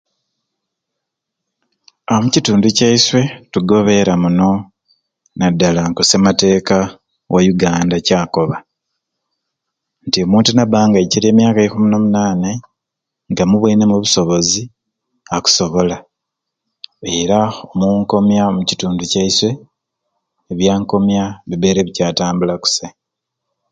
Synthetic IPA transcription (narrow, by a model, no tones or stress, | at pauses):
amucituːnducaiswe̞tuɡo̞βe̞ɾamuno̞ | nadːalaŋkosemate̞ːka | wajuɡaːndacaːko̞βa | ntio̞muːntunaβaːŋɡaciɾe̞ːmjaːkajikumunomunaːne | ŋɡamuβiinemuβuso̞βo̞zi | aku̥so̞βo̞la | e̞ɾaomuŋko̞mjamucituːnducaiswe̞ | βjaːŋko̞mjaβiβe̞ːɾe̞βicaːtaːmbulaku̥se